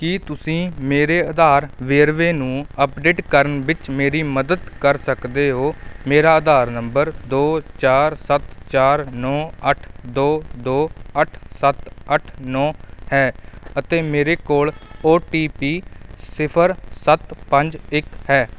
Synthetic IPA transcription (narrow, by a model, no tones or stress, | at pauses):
kiːt̪ʊsĩːmeːɾeːəd̪aːɾʋeːɾʋeːnũːəpɖeːʈkəɾənʋɪt͡ʃmeːɾiːməd̪əd̪kəɾsəkd̪eːɦoːmeːɾaːd̪aːɾnəmbəɾd̪oːt͡ʃaːɾsət̪t͡ʃaːɾnɔːəʈʰd̪oːd̪oːəʈʰsət̪əʈʰnɔːhɛːət̪eːmeːɾeːkoːloːʈiːpiːsɪpʰəɾsət̪pəɲd͡ʒɪkhɛː